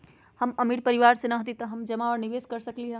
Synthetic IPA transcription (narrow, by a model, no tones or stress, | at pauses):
hɐmɐmiːɽpɐɾɪʋaːɾsenɐɦt̪it̪ɐɦɐmd͡ʒɐmaɔːɾnɪʋeːskɐɾsɐkliɦɛ̃